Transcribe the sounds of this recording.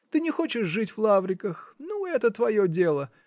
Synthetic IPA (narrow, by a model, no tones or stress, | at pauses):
t̪ɨnʲɪxo̞t͡ɕɪʂʐɨtʲvlˠavɾʲɪkəxnuɛt̪ət̪vɐjodʲe̞lˠə